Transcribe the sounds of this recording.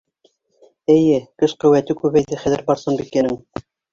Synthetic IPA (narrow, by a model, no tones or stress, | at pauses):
ɘ̆jɘkɘʃqɵ̆wæt̪ɘkʉβæjðɘχæðɘɾbɑɾsɤnbikːænɘŋ